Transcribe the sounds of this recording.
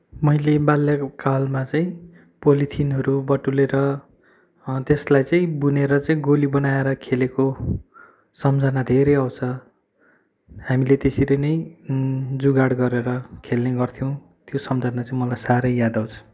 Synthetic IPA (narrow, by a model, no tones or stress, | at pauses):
mʌjlebaljakkalmat͡saĩ | polit̪ʰinɦʌɾubʌʈːuleɾʌ | t̪eslajt͡saĩbuneɾʌt͡saĩɡolibʌnaeɾʌkʰeleko | sʌmd͡zanad̪ʱeɾʌjaw̃t͡sʰʌ | hamilet̪esiɾejnʌj | d͡zuɡaɽɡʌɾeɾʌkʰelneɡʌrt̪ʰijow̃ | t̪josʌmd͡zʱanat͡saĩmʌlajsaɾʌjːad̪aw̃t͡sʰʌ̥